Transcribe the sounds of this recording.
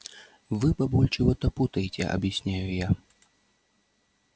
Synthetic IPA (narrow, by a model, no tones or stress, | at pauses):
vɨpabɔlʲt͡ʂɨvɔt̪ɐput̪ɐjt͡sʲɛ̰ʔɐ̰bjasʲnʲajuja